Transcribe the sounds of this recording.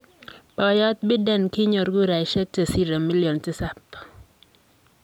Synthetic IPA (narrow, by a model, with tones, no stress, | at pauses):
pɔ˨jɔ˦t̪̚bɪ˦dɛ˦˨nki˦ɲo˨ɾɡu˦ɾa˨˦ʃɛ˦k̚te˨si˦ɾɛ˨mi˦ljo˨ntɪ˦sa˦p